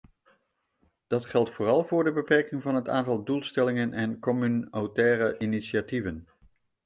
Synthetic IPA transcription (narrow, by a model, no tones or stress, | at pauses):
d̥ɑtχɛlˠtfoːrɑlˠvʊːɹdəbəpɛɹkɪŋvɑnɦəta̰ːntɑlˠdulˠstɛlɪŋənʔɛnkɔmynowtɛːrəʔinisjativən